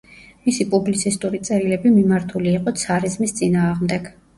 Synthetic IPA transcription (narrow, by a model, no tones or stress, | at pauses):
misipʼublit̪sʰist̪ʼuɾit̪sʼɛɾilɛbimimaɾt̪ʰuliːqʼɔt̪sʰaɾizmist̪sʼinaːʁmd̪ɛɡ̥